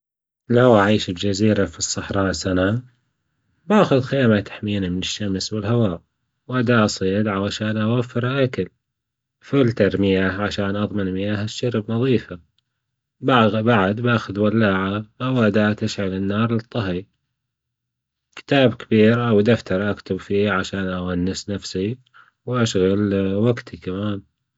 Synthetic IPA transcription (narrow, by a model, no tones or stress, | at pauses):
lawʔaʕiːʃɪbd͡ʒaziːɾafisˤːɑħɾˤɑːʔsana | baːxʊðxeːmat̪ḁħmiːnamɪnɪʃːamswɪlɦawaːʔ | wʔad̪aːʔɑsˤiːd̪ʕawaʃaːnʔawafːɪɾaʔakal | fʊlt̪ɑɾmɪjaʕaʃaːnʔɑðˤmɪnmɪjaːhaʃːaɾbnɑðˤiːfa | babaʕad̪baːxʊðwalːaːʕaʔawʔad̪aːt̪aʃʕalɪnːɑːɾˤlɨt̪ˤːɑɦi | kɪ̥t̪aːbkɪbiːɾʔawd̪aft̪ɑɾˤʔakt̪ʊbfiːʕaʃaːnʔawanːɪsnafsi | wʔaʃɣalwaɡt̪ʰikamaːn